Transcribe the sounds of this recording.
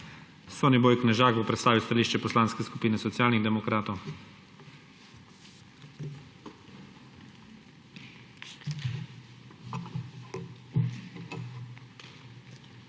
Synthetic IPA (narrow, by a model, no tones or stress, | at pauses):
sɔnɛboːjknɛʒaːkɔwpɾɛt̪st̪aːʋist̪aliːʃt͡ʃɛpɔslaːnskɛskupiːnɛsɔt̪sijaːlniɣd̪ɛmɔkɾaːt̪ɔw